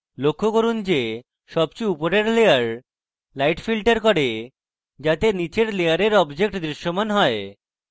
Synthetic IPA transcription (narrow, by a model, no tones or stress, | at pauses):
lokʰːokoɾund͡ʑe | ʃɔb̚t͡ɕuupoɾeɾleaɾ | lajʈfilʈaɾkɔɾe | d͡ʑat̪enit͡ɕeɾlejaɾeɾɔbd͡ʑek̚ʈd̪ɾiʃːomanɦɔe